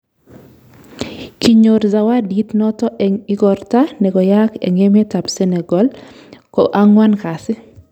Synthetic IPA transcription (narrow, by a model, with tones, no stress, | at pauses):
kiɲoɾza˨wa˦ditnɔ˦tɔ˦ʔɛŋɪ˦ɡɔɾtanɛ˨ɡɔ˨jakḛ˨ŋe˦me˦ta˨pse˦nɛ˨ɡɔ˦l | kɔʔa˦ŋwa˦nka˨sɪ˦